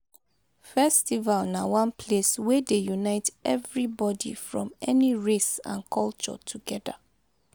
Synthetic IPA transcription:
fɛstivalnawãnpʰleswɛdejunaɪtɛvɹibɔdḭfɹɔ̰̃mɛniɹesã̰nkʰɔlt͡ʃɔ̰tʰuɡɛda̰

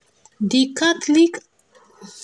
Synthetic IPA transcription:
d̪ikat̪lik

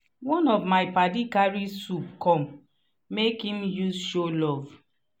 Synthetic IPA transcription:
wɔ̃nɔvmaɪpadikaɹisup̚kɔ̃mː | ekhĩmjuzʃolɔv

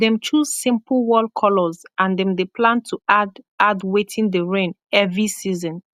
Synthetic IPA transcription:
dɛ̃mt͡ʃuz̥sĩmplwɔlkʰɔlɔzʔãndɛ̃mdepʰlãntʰuadadwetʰĩndəɹẽn | ɛvɹisizɔ̃n

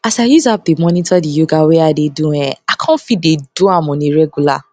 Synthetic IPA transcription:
asajuzap̚demɔnĩtɔdijoɡaweadedũɛakʰãnfĩdedũamɔ̃nĩɾɛɡula̰

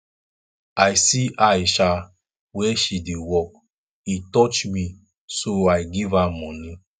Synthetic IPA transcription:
ajsiʔaʃa | wɛʃidewɔk | itɔt͡ʃmi | soaɪɡivamɔ̃nĩ

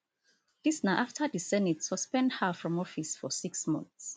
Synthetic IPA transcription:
lisnaʔaftʰədisɛnitsɔspɛ̃ndhafɹɔ̃mɔfisfɔsiksmɔ̰̃nθs

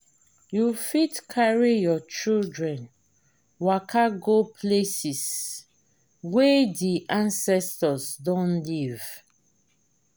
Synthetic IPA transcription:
jufitkʰaɹijɔt͡ʃildɹɛ̃n | wakʰaɡopʰlesis | wediʔãnsɛstɔsdɔ̃nliv

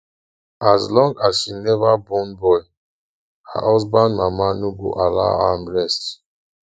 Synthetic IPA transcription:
ʔazlɔ̃ŋɡazʃinɛvabɔ̃nbɔj | ha̰ʔɔsbãnmamanuɡo̰ʔala̰ãnɹɛst

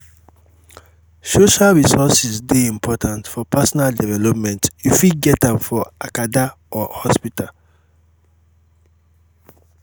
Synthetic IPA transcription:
soʃalɹisɔsizdeĩmpʰɔtʰãntfɔpʰasɔnaldɛvɛlɔpmɛ̃ntjufiɡɛtãmfɔakada | ɔhɔspital

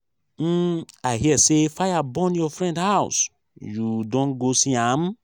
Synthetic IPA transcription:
m̩aɪɦiɛsefajabɔ̃njɔfɾɛ̃ndhaʊs | judõnɡosiãm

